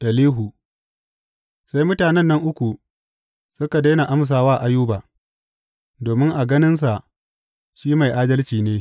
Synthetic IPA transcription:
ʔɐ˨liː˦ɦu˨ | sa˦jmʊ˦taː˨nɛ˦nːɐ˦ŋʔʊ˦kʷu˨ | sʊ˦ka˨da˦jna˨ʔa˦ms̬aː˨waː˦ʔa˦juː˦baː˨ | doː˨mɪ˦ŋʔa˨ɡɐ˦nɪ˦ns̬a˨ʔ | ʃiː˦ma˨jʔaː˦dɐ˦lt͡ʃiː˨neː˦

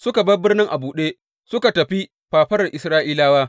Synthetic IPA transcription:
sʊ˦ka˨bɐ˦bɪ˦rnɪ˦ŋʔa˨buː˨ɗeː˦ | sʊ˦ka˨tɐ˨ɸi˦ | ɸaː˨ɸɐ˦rɐ˨ʔɪ˨sɾaː˦ʔiː˦laː˦waː˦

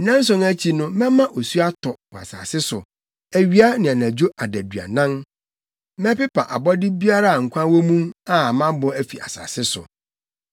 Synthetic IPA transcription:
nã˦n̩˦s̬ɔ̃˨næ˦t͡ɕʰi˨nʊ̃˦mɛ̃˦mã˦ʔo˨su˦a˦tʰɔ˨bʊ˨a̰˨sa̰ː˨sɪ˦sʊ̰˨ | æ˨ɥi˦a˦nɪ̃˨a˨næ̃˨d͡ʑᶣo˦ʔa˨dæ˨dɥa̰˨nã˦n | mɛ̃˦pɪ˦pʰa̰˨ʔa˨bɔ˦dɪ˦bi˦a˦ɾa˦a˨ŋ̩˨kʷʰã˦wo˦mũ˦ma˨mã˦bɔ˦æ˨fi˨ʔa̰˨sa̰ː˨sɪ˦sʊ̰˨

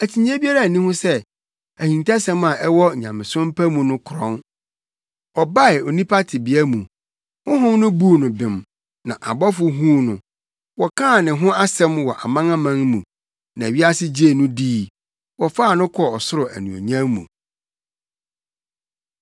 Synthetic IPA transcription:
æ˨tʰi˨ɲ˦ã˦bi˦a˦ɾa˦˨nĩ˦hʊ̃˦sɛ˦ | æ˨hĩ˨ntʰa˦sɛ̃˦mã˨ʔɛ˦wɔ˦˨ɲã˨mɪ̃˨sʊ̃˦m˦pʰæ˦mũ˨nʊ̃˦kʰʊ˨ɾɔ̰̃˦n | ɔ˨ba˦ɪ˨o˨nĩ˦pʰa˦tʰɪ˨bi˨˦æ˦mũ˨ | hʊ̃˦ɦʊ̃˦mnʊ̃˦bu˦˨nʊ̃˨bɪ̃˨m | nã˨ʔa˨bɔ˦fʊ˨ɦũ˦nʊ̃˨ | wɔ˨kʰãː˦˨nɪ̃˨ɦʊ̃˦a˦sɛ̃˦mwɔ˨ʔa˨mã˦ŋã˦mã˦ŋmṵ̃˨ | nã˨ɥi˦a˦sɪ˦d͡ʑe˦˨nʊ̃˦diː˦ | wɔ˨faː˦˨nʊ̃˦kʰɔ˦ɔ˨sʊ˦ɾʊ˨æ̰˨nũ˨o̰˨ɲã˦mmṵ̃˨

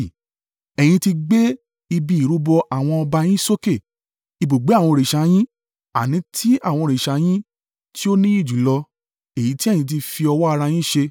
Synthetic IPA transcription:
ɛ˨j̃ĩ˧ti˧ɡ͡be˦ | i˧bi˧i˨ɾu˨˦bɔ˧ʔa˨w̃ɔ̃˧ɔ˧ba˧j̃ĩ˦so˦ke˦˨ | i˧˨bo˨ɡ͡be˨˦a˦˨w̃ɔ̃˧ɾe˨ʃa˨˦j̃ĩ˦ | a˨nĩ˨˦tʰi˦a̰˦˨w̃ɔ̃˧ɾe˨ʃa˨˦j̃ĩ˦ | ti˦o˦nĩ˦i˦˨d͡ʒu˨˦lɔ˧ | e˨ji˨˦ti˦˨jĩ˧t̬i˧fi˧ɔ˧wɔ˦a˧ɾa˧j̃ĩ˦˨ʃe˧

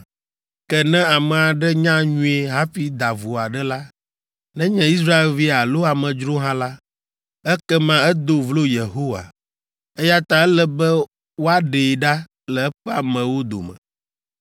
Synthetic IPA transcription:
kɛ˦nɛ̃˦a˨mɛ̃˨a˨ɖɛ˦ɲã˦ɲũ˦e˨ɦa˦ɸi˦d̪a˨vo˨a˨ɖɛ˦la˦ | nɛ̃˦ɲɛ̃˨i˦s̬ɾa˦e˨lvi˦a˨lo˦a˨mɛ̃˨d͡ʒɾo˦ɦã˦la˦ | ɛ˦kɛ˦mã˦ɛ˦d̪o˨vlo˦je˨ɦo˦wa̰˨ | ɛ˦ja˦t̪a˨ɛ˦lɛ˦bɛ˦ | wo˦a˦ɖe˨ɖa˦ | lɛ˨ɛ˦ɸɛ˦a˨mɛ̃˨wo˦d̪o̰˨mɛ̰̃˨

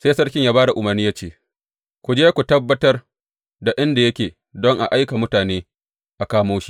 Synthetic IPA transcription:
seː˦sɐ˦rkʲɪ˦ɲjaː˦baː˦da˨ʔʊ˨˦mɐ˨rniː˦jaː˦t͡ʃeː˦˨ | kʷu˨d͡ʒeː˦kʷu˨tɐ˦bːɐ˦tɐ˦r | da˨ʔɪ˦nda˨jɐ˦kʲeː˨ | dɔ˦ŋʔa̰˨ʔa˦jka˨mʊ˦taː˨neː˦ | ʔa˨kaː˦moː˦ʃi̥˦

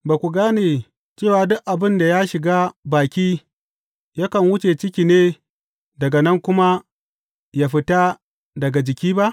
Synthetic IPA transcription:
baː˨kʷu˨ɡaː˦neː˨ | t͡ʃeː˦˨waː˨dʊ˦ʔʔa˨bɪ˦˨nda˨ja˦ʃɪ˨ɡaː˦baː˨kʲiː˦ | ja˦kɐ˨nwʊ˦t͡ʃe˨t͡ʃɪ˦kʲiː˨neː˦ | dɐ˨ɡa˨nɐ˦ŋkʷʊ˦ma˦ | jaː˦ɸɪ˦ta˦ | dɐ˨ɡa˨d͡ʒɪ˨kʲiː˦ba˦ʔ

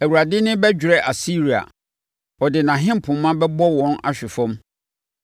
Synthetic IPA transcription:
æ˨wu˨ɾa˨dɪ˦nɪ̃˦bɛ˦d͡ʑᶣɾɛ˦ʔa˨si˦ɾi˨a̰˨ | ɔ˨dɪ˨nã˨ɦɪ̃˦m˦˨pʰʊ̃˨mmːã˦bɛ˦bɔ˦wɔ̃˦na̰˨ɕᶣɪ˨fɔ̃˦m

